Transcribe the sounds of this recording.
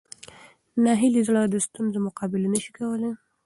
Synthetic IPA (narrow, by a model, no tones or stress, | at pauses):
naɦɪlizlɑd̪əst̪unzomʊqɑbɪlenəʃi̥kawəle